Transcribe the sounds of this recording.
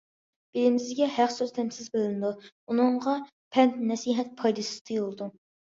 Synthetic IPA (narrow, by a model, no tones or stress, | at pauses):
b̥elɪmɪzɡʲɛhæqsøzt̪ʰɛmsɪzbølɪnd̪u | unɨɴʁɑ | pʰɛnt̪nɛsiɦɛt̪̚pʰɑjd̪ɨsɨ̥zt̪ʰɨjolˠɨd̪u